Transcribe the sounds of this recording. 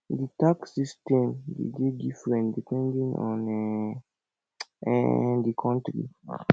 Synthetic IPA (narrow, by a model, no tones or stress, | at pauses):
ditaksistɛ̃mdḛɡedifɾɛ̃ndipɛ̃ndĩŋɔ̰̃nɛ | ɛ̰dikʰɔ̃ntɾḭ